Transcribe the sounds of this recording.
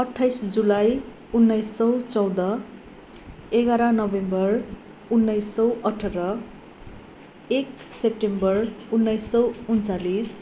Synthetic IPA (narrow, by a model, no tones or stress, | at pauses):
ʌʈʰːajsd͡zulaj | unːʌjsːʌwt͡sʌwd̪ʌ | eɡaɾʌnʌbembʌr | unːʌjsːʌwʌʈʰʌɾʌ | ek | sep̚ʈembʌrunːʌjsːʌwunt͡salis